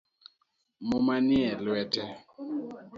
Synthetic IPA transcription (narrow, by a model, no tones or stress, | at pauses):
momanjɛlwɛtɛ